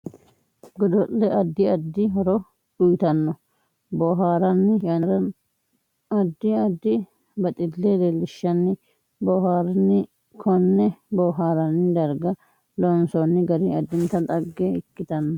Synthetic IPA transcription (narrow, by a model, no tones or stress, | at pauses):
ɡɔd̪ɔʔːɛʔɐd̪ːɪɐd̪ːɪɦɔɾɔ | ᶑʊjt̪ɐnːɔ | bɔːɦaːɾɐnːɪjɐnɐɾɐn | ɐd̪ːɪɐd̪ːɪ | bɐt̪ʼɪlːed̪elːɪʃːɐnːɪ | bɔːɦaːɾɐnːɪ | kʰɔnːɛbɔːɦaːɾɐnːɪd̪ɐɾɡɐ | lɔnsɔnːɪɡɐɾiɐd̪ːɪnt̪ɐt̪ʼɐɡːeɪkːɪt̪ɐnːɔ